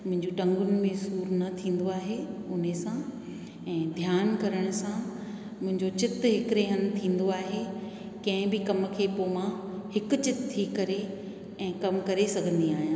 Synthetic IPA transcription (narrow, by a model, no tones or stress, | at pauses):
mʊ̃ɦɪ̃ɲd͡ʑuʈɐ̃ŋɡʊnɪ̆mẽsuːɾnɐt̪ʰĩːn̆d̪oaːɦeʊn̤esã | ɛ̃ːd̪ʱjaːnkɐɾəɽ̃ʊsã | mʊ̃ɦɪ̃ɲd͡ʑot͡ɕɪt̪ɦɪkɾeːɦənɪ̆t̪ʰĩːn̆d̪oaːɦe | kɐ̃ɦɪ̃bɪkɐmkʰeːpoːmã | hɪkʊ̆t͡ɕɪt̪t̪ʰːikɐɾe | ɛ̃ːkɐmkɐɾesɐɡʱə̃nd̪iaːɦijãː